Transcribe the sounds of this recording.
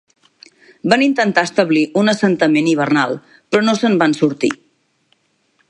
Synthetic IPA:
banint̪ənt̪aəst̪əβliʔunəsənt̪əmeniβ̞ərnalˠ | pɾɔnosəmbansuɾt̪ḭ

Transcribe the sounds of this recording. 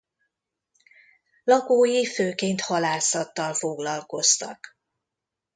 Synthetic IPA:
lɒkoːjiføːkeːnt̪hɒlaːsɒt̪ːɒlfoɡlɒlko̞st̪ɒk

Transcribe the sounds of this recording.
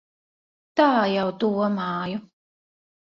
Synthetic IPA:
t̪aːjawt̪uɔmaːjɔ

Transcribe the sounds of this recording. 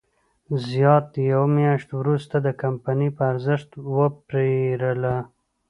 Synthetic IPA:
zjɑt̪jawmjɑʃt̪wɾust̪ad̪əkampanipəaɾzɪʃt̪wəpɾeɾəla

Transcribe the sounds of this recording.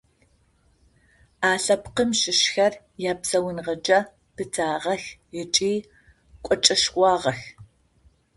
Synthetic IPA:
aːɬɐpqəmʃɪʃxɐr | jaːpsɐwʊnʁɐd͡ʒʼɐ | pɨtʰaːʁɐxət͡ʃʼiː | kʷʼɔt͡ʃʼɐʃkʷɑːʁɐx

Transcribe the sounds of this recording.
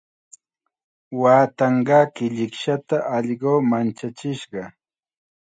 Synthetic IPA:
waːt̪ɑɴɢɑːkɪʎɪkʃat̪aʔɑʎɢoːmant͡ʃat͡ʃɪʃɢɑ

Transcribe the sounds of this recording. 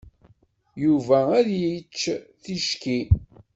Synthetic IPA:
juvææðjit͡ʃːθiʃki

